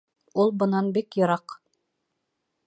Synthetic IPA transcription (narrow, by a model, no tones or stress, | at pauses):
ulˠbɤ̆nɑnbikjɤ̆ɾɑq